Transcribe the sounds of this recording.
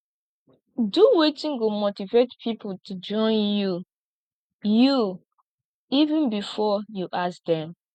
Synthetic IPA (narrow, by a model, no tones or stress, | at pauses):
duwetĩnɡomotivetpʰipoltʰud͡ʒɔ̃ɪnju | ju | ivũnbifɔjuʔasdɛ̃m